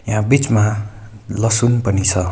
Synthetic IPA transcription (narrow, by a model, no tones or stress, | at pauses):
jɦãbit͡sma | lʌsunpʌnit͡sʰʌ